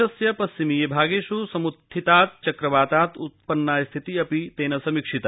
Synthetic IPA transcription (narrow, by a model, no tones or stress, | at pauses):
ɐsjɐpɐsːimijebʱaːɡeːʃusɐmut̪ʰːit̪aːt̪̚t͡ʃɐkɾɐʋaːt̪aːt̪ut̪̚pɐnːaːjst̪ʰit̪iɐpit̪eːnɐsɐmikʂit̪ɐ